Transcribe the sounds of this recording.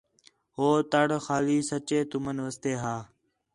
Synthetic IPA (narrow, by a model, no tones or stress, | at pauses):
ɦoːt̪əɽxaːliːsət͡ʃeːt̪ʊmənʋəst̪eːɦaː